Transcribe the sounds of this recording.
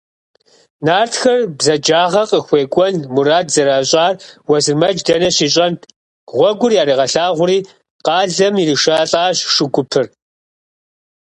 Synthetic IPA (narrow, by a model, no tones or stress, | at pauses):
naːrtxɐrbzɐd͡ʒaːʁɐqʼəxʷeːkʷʼɔnmuɾaːdzɐɾaːɕʼaːrwɐzɨrmɐd͡ʒdɐnɐɕiːɕʼɐn | ʁʷɔɡʷʊrjaːɾiːʁɐɬaːʁʷʊɾiː | qɑːɮɐmiriʂaːɬʼaːɕʂɪɡʷʊpʰɨr